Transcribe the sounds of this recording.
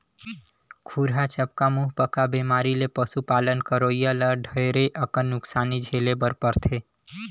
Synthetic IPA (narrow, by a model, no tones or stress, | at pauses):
kʰuɾɦat͡ʃəp̚kamuɦpəkabemaɾilepəsupalənkəɾoijaləɖʱəeɾeʔəkənːʊksanid͡ʒʱelebəɾpəɾt̪ʰe